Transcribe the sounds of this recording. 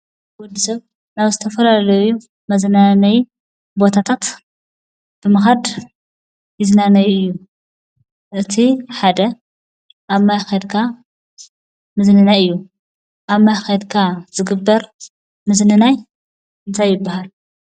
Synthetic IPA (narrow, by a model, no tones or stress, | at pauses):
wɔd̪ːisɐβ | naβzɨt̪ʰɐfɐlalɐju | mɐznanɐj | bo̞t̪ʰat̪ʰat̪ | b̥ɨmɐxad̪ | jɪznanɐjɨjːu | ʔɨt̪ʰiħad̪ɐ | ʔaβmajxɐd̪kʰa | mɨznɨnajɨjːu | ʔaβmajxɐd̪kʰazɨɡɨbːɐɾ | mɨznɨnaj | ɨnt̪ʰajːɪbːahal